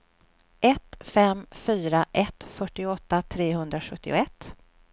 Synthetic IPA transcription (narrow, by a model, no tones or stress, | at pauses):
ɛt̪fɛmfyːɾaʔɛt̪fœʈːɪʊɔt̪ːat̪ʰɾeːɦɵnd̪ɾaɧɵt̪ʰːɪ̰ʊɛt̪ː